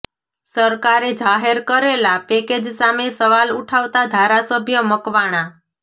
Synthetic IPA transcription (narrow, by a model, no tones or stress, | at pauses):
səɾkaɾed͡ʒaɦeɾkəɾelapeked͡ʒsamesəʋaluʈʰaʋt̪ad̪ʱaɾasəbʱjəməkʋaɽ̃a